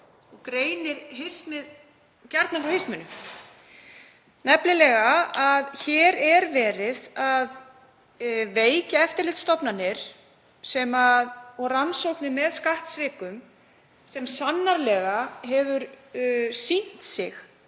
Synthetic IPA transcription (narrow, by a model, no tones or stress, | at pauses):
ɔɣkɾeːjnɪɾɦɪsmɪð | caɾt̪nafɾawhɪsmʏnːʏ | nɛplɪlɛːɣaaðçɛːɾɛɾvɛːɾɪðað | veːjcaɛft̪ɪɾlɪt̪st̪ɔpnanɪɾ̥ | sɛmaðɔɣransowknɪmɛðskaht̪svɪːkʏm | sɛmsanːaɾlɛːɣahɛvʏɾ | sin̥t̪sɪx